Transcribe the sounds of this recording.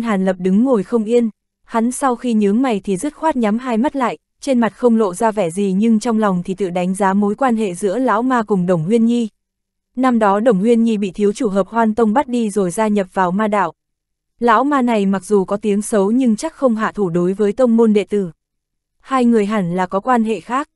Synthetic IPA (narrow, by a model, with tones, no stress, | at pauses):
ɦaː˨˩nlə˨˩p̚ɗɨ˨˦ŋːo˨˩jxə˧wŋ͡mʔi˧ən | ha˨˦nsa˧wxi˧ɲɨ˨˦əŋma˨˩jt̪ʰi˨˩zə˦˥t̚xwaː˦˥t̚ɲa˨˦mɦaː˧jma˦˥t̚la̰ː˧˨jʔ | t͡ɕe˧nma˨˩t̚xə˧wŋ͡mlo̰˧˨zaː˧vɛ˧˩zi˨˩ɲɨ˧ŋt͡ɕɔ˧wŋ͡mla˨˩wŋ͡mt̪ʰi˨˩t̪ɨ̰˧˨ɗa˨˦jŋ̟zaː˨˦mo˨˦jkwaː˧nɦḛ˧˨zɨ̰˧˥əla̰ː˧˥wmaː˧kʊ˨˩ŋ͡mɗə˨˧˩wŋ͡mhwi˧ənɲi˧ | na˧mɗɔ˨˦ɗə˨˧˩wŋ͡mhwi˧ənɲi˧ɓḭ˧˨t̪ʰi˨˦əwt͡ɕu˧˩ɦəː˨˩p̚hwaː˧nt̪ə˧wŋ͡mɓa˦˥t̚ɗi˧zo˨˩jzaː˧ɲə˨˩p̚vaː˨˩wmaː˧ɗa̰ː˧˨w | la̰ː˧˥wmaː˧na˨˩jma˨˩k̚zu˨˩kɔ˨˦t̪i˨˦əŋsə˨˦wɲɨ˧ŋt͡ɕa˦˥k̚xə˧wŋ͡mɦa̰ː˧˨t̪ʰu˧˩ɗo˨˦jvəː˨˦jt̪ə˧wŋ͡mmo˧nɗḛ˧˨t̪ɨ̰˧˩ | haː˧jŋɨ˨˩əjɦa˧˩nlaː˨˩kɔ˨˦kwaː˧nɦḛ˧˨xaː˦˥k̚